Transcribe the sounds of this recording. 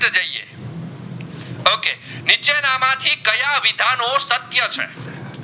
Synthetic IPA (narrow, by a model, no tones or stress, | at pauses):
d͡ʒəiḛ | okenit͡ʃenamãt̪ʰikəjaʋid̪ʱanosət̪jət͡ʃʰḛ